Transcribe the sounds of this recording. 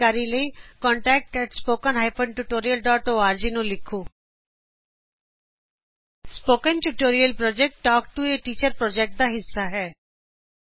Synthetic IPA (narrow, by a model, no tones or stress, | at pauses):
aːɾiləikɔ̃ːɳʈɛːk̚ʈɛʈspoːkənɦaːɪpə̃ɳʈuʈoːɾijəlɖɔːʈoːaːɾd͡ʒinũlɪkʰuː | spoːkənʈuʈoːɾijəlpɾɔːd͡ʒek̚ʈːɔːk̚ʈueʈiːt͡ʃəɾpɾɔːd͡ʒɛk̚ʈ̚d̪aɦɪsːaɦɛː